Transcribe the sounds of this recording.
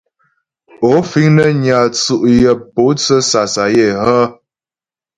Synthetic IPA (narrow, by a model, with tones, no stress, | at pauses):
o˨˦fi˦ŋnə˦ɲa˨t͡su˦˨ʔjə˨po˨˦t͡sə˦sa˨sa˨je˦˨hə˦